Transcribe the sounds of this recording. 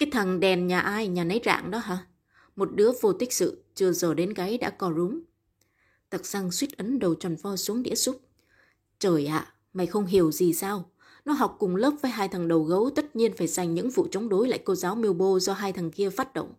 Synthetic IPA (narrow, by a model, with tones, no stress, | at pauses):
kaː˨˦jt̪ʰa˨˩ŋɗɛ˨˩nɲaː˨˩ʔaː˧jɲaː˨˩nə˨˦jza̰ː˧˨ŋɗɔ˨˦ɦaː˧˩ | mo˨˩t̚ɗɨ˨˦əvo˧t̪ï˦˥k̚sɨ̰˧˨t͡ɕɨ˧˩əzəː˨˩ɗe˨˦nkaː˨˦jɗa̰ː˧˥kɔ˨˧˩zʊ˨˦ŋ͡m | t̪ʰə˨˩t̚za˧ŋswi˦˥t̚ʔə˨˦nɗə˨˩wt͡ɕwa˨˩nfɔ˧˩su˨˦əŋɗḭ˧˥əsu˦˥p̚ | t͡ɕəː˨˩jʔa̰ː˧˨ | ma˨˩xə˧wŋ͡mɦi˨˩əwzi˨˩saː˧w | nɔ˨˦ɦa˨˩wk͡p̚kʊ˨˩ŋ͡mləː˦˥p̚vəː˨˦jɦaː˧jt̪ʰə˨˩ŋɗə˨˩wɣə˨˦wt̪ə˦˥t̚ɲi˧ənfaː˧˩jza˨˩jŋ̟ɲɨ̰˧˥ŋfṵ˧˨t͡ɕə˨˦wŋ͡mɗo˨˦jla̰ː˧˨jko˧zaː˨˦wmi˧əwɓo˧zɔ˧ɦaː˧jt̪ʰə˨˩ŋki˧əfaː˦˥t̚ɗo̰˧˨wŋ͡m